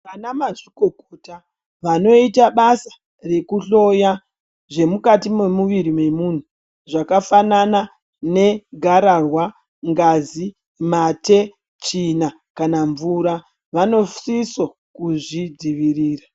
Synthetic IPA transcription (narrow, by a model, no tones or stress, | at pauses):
ʋanamaʂikokota | ʋano̞itaɓasḁ | re̞kuɬo̞ja | ʐe̞mukatimemuʋiɾimwe̞mun̤u | ʐakafanana | ne̞ɡʱaɾarwa | ŋɡazi | mate̞ | t͡ʃina | kanaɱvuɾa | ʋano̞siso | kuʐid͡ziʋiriːra